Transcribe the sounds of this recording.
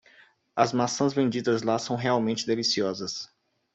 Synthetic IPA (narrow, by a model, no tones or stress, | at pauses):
ɐzmasɐ̃zvẽnd͡ʒid̪ɐzlasɐ̃w̃ɦeawmẽnt͡ʃɪd̪elisiɔzɐs